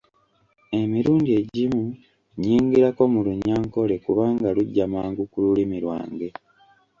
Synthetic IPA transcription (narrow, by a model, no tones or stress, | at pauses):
e̞miɾuːndie̞ɟimu | ɲiːŋɡiɾako̞muluɲaːŋko̞le̞kuβaːŋɡaluɟːamaːŋɡukululimiɾwa̰ːŋɡe̞